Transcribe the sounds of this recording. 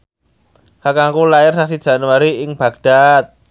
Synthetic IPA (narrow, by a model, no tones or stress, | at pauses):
hakaŋkulajɪrsaksid̥ʒ̥a̤nuwaɾiɪŋb̥ä̤ɡ̥̚d̪̥a̤t̪̚